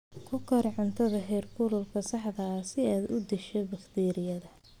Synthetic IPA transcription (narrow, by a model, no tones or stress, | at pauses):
kʰʊkʰɐrʕʊnt̪ʰɐðɐɦɛːrkʰʊlʊlkʰɐsɑħdɐːsɪaːd̪ʊd̪ɛʃɛbɐχt̪ʰiːɾɪjɐðɐ